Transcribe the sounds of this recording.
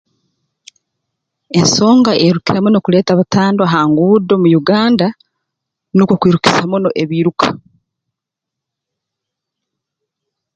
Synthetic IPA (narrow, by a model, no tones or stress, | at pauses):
e̞nso̞ːŋɡaʔeɾukiɾamuno̞kule̞ːtaβataːndoaɦaːŋɡuːdo̞mujuɡaːnda | nokokwiɾuki̥samuno̞ʔeβiːɾukḁ